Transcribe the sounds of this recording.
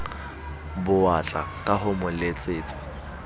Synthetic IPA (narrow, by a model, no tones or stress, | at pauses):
bʊat͡ɬʼa̰kʼaɦʊmʊlet͡sʼeːt͡sʼḁ